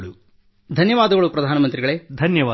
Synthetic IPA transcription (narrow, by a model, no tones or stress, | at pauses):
ɭu | d̪ʱɐnjɐʋaːd̪ɐɡɐɭupɾɐd̪ʱaːnɐmɐnt̪ɾiɡɐɭeːd̪ʱɐnjɐʋaː